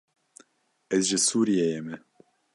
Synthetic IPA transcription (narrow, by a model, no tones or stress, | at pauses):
ɛzʒɨsuːɾijejɛmɛ